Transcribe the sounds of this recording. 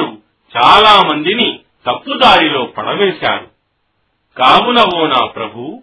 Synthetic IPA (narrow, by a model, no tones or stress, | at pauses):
u | t͡ʃaːlaːmɐnd̪ini | t̪ɐpːud̪aːɾilo̞ːpɐɽɐʋeːʃa̰ːɾu | kaːmunɐʋɔːnaːpɾɐbʱu